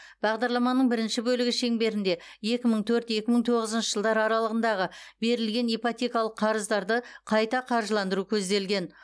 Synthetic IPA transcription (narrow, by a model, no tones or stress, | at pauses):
b̥ɑʁd̪ɑɾlˠɑmɑnːəɴbɪɾɪnʃɪbɵlɪɡʲɪʃe̞ŋbe̞ɾɪnd̪e̞ | je̞kʲɪməɴt̪ʰɵɾt̪je̞kʲɪməɴt̪ʰo̞ʁəzənʃəʒ̥əlˠd̪ɑɾɑɾɑlˠəʁənd̪ɑʁəbe̞ɾɪlɡʲe̞nejpot̪ʲekɑlˠəqʰːɑɾəzd̪ɑɾd̪əqʰɑjt̪ɑqʰɑɾʒəlˠɑnd̪əɾukʲʰɵz̪d̪e̞lɡʲe̞n